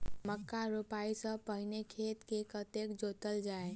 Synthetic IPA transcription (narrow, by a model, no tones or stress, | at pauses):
məkːaɾupaisə̃pəɦɪnekʰeːt̪kekət̪ekd͡ʒot̪əld͡ʒaːe